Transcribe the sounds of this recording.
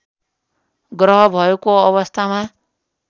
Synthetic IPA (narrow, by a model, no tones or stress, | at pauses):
ɡrʌɦʌbʱʌekoʌβʌst̪ʰama